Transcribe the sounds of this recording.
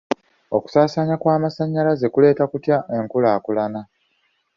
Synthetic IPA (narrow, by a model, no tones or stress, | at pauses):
o̞ku̥saːsaɲakwaːmasaɲːalaze̞kule̞ːtakutjaʔe̞ŋkulaːkulana